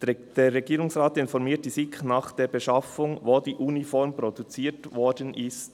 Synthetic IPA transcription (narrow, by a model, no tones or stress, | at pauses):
d̥eːɾːeɡiːʁʊŋsʁaːtɪnfɔɾmiːt̚d̥iːsɪknaːχd̥eːbeʃɑfʊŋvoːdiːʔunifɔɾmpɾodut͡siːtvɔɾdənʔɪst